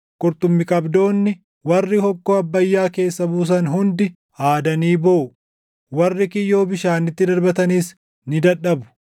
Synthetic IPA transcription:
kʼʊɾt̪ʊmːɪkʼɐbd̪o̞ːnːɪ | wɐrːɪhɔkːoːɐbːɐjːaːke̞ːsːɐbuːs̬ɐnɦʊnd̪ɪ | haːd̪ɐniːboʔʊ | wɐrːɪkɪjːo̞ːbɪʃaːnɪt̪ːɪd̪ɐɾbɐt̪ɐniːs | nɪd̪ɐᶑɐbʊ̥

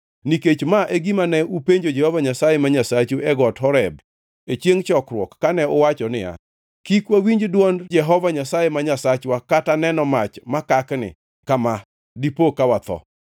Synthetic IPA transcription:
niket͡ʃmaʔeɡimanɛupeɲd͡ʒod͡ʒɛhɔvaɲasajemaɲasat͡ʃuʔɛɡɔtɦɔɾɛb̚ | et͡ʃjeŋt͡ʃɔkɾwɔkːanɛʊwat͡ʃɔnɪja̰ | kikwawiɲd͡ʒdwɔnd͡ʒɛɦɔvaɲasajemaɲasat͡ʃwakatanɛnɔmat͡ʃmakaknɪ̰ | kama | dipokawat̪ɔ̰

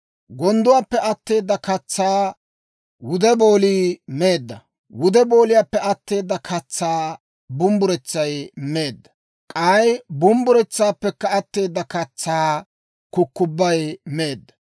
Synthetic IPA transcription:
ɡɔnd̪ʊwaːpːɛɐt̪ːe̞ːd̪ːɐkɐt͡sːaː | wʊd̪ɛbo̞ːliːme̞ːd̪ːɐ | wʊd̪ɛbo̞ːlɪjaːpːɛɐt̪ːe̞ːd̪ːɐkʰɐt͡sːaː | bʊmbʊɾɛt͡sːɐjme̞ːd̪ːɐ̥ | kʼɐjbʊmbʊɾɛt͡sːaːpːɛkːɐːt̪ːe̞ːd̪ːɐkɐt͡sːaː | kʊkːʊbːɐjme̞ːd̪ːɐ̥

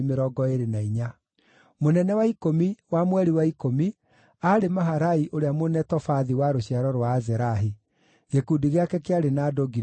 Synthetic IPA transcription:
meɾɔɡɔeɾenaiɲa | monɛnɛwaikomiwamwɛɾiwaikomi | aɾemaɦaɾaiʔoɾeamonɛtɔfaðiwaɾoɕiaɾɔɾwaːzɛɾaɦi | ɣekudiɣeakɛkeaɾenaːdoɡi

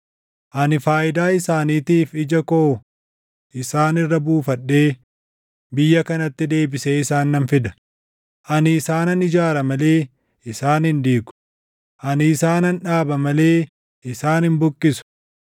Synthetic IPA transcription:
ʔɐnɪfaːʔɪd̪aːɪsaːniːt̪iːfɪd͡ʒɐkoː | ʔɪsaːnɪrːɐbuːfɐᶑːe̞ː | bɪjːɐkɐnɐt̪ːɪd̪e̞ːbɪseːɪsaːnːɐnfɪd̪ɐ̥ | ʔɐnɪːsaːnɐnɪd͡ʒaːɾɐmɐleː | ɪsaːnɪnd̪iːɡʊ̥ | ʔɐnːsaːnɐnᶑaːbɐmɐle̞ː | ɪsaːnhɪnbʊkʼːɪsʊ̥

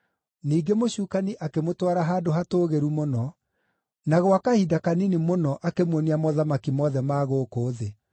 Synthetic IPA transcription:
niːɡemoɕuːkaniʔakemotwaɾaɦaːdoɦatoːɣeɾumonɔ | naɣwakahidakaninimonɔʔakemwɔniamɔðamakimɔðɛmaːɣoːkoːðe

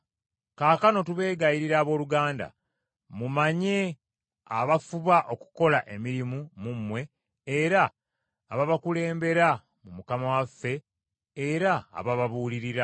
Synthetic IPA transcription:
kaːkano̞tuβe̞ːɡajiɾiɾaːβo̞ːluɡaːnda̰ | mumaɲe̞ | a̰βafuβaʔo̞ku̥ko̞laʔe̞miɾimumumwe̞ː | ɾaː | βaβakule̞ːmbe̞ɾa | mumukamawafe̞ː | ɾa̰ːβaβaβuːliɾiɾa

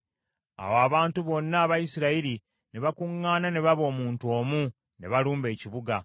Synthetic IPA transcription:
a̰woaβaːntuβo̞nːaːβajisiɾaiɾi | neβakuŋːaːnane̞βaβo̞ːmuːntuoːmu | ne̞̰βaluːmbe̞ːciβuɡa

